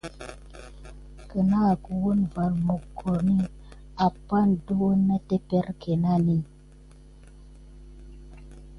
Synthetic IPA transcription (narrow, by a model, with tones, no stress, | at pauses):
kə˨na˦˨ku˨wo˦nva˨ɾmo˨kʰːo˨ɾni˦ | a˨pːa˦ndo˦na˦te˦pe˦ɾke˨na˦ni˦